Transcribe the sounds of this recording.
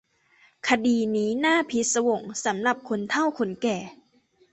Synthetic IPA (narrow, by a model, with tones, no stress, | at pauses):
kʰa˧diː˧niː˦˥naː˥˩pʰi˦˥t̪̚sa˧wo˨˩ŋsa˩˦mla˨˩p̚kʰo˧nt̪ʰa˥˩wkʰo˧nkɛː˨˩